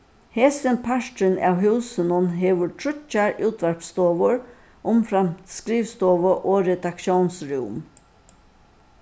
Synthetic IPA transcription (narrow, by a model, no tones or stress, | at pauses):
heːsənpʰaʃtɾɪnæ̰ːwɦʉːsənʊnɦeːʋʊɹtʰɾʏt͡ʃːaɹʉːt̪ʰʋæɹpst̪oːʋəɹ | ʔʊmfɾamt̪skɾiːʋst̪oːʋəʔoːɾɛd̪akʃjoːnsɹuːm